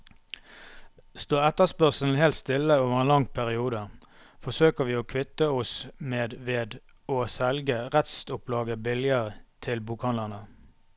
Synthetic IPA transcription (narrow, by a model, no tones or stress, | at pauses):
st̪oːɛt̪əspœʁsln̩heːlt̪st̪ɪlːəoːʋəʁeːnlɑŋpʰæʁɪuːd̪ə | fɔsøːkəʁʋiːoːkʰʋɪt̪əɔsmeːd̪ʋeːd̪ | oːsɛlɡəʁɛt̪st̪ʊpʰlɑːɡəbɪljəʁət̪ʰɪlbuːkhɑnləʁnə